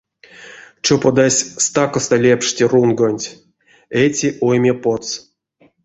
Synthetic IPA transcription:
t͡ʃopod̪asʲst̪akost̪alʲepʂtʲirunɡonʲtʲ | etʲiʔojmʲepot̪s

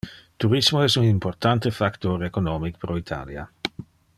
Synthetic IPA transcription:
t̪uɾismoɛsunimport̪ant̪efakt̪oɾekonoːmikpɾoit̪ʰa̰ːlja̰

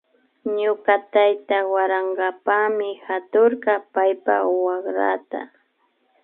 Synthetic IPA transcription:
ɲʊkat̪ajt̪awaɾaŋɡapamɪhat̪ʊɾkɑpajpawaχɾa̰t̪a̰

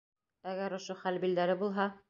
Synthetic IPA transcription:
æɡæɾŏʃoχælbild̪æɾɘbulˠɦɑ

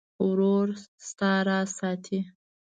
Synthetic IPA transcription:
wɾoɾst̪ɑɾɑsɑt̪ʰi

